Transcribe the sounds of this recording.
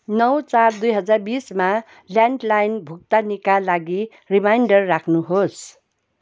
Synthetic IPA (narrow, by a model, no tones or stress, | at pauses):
nʌwt͡sard̪ujɦʌd͡zarbisma | ljaɳɖlajnbʱuk̚t̪anikalaɡi | rimajɳɖʌrːakʰnuɦos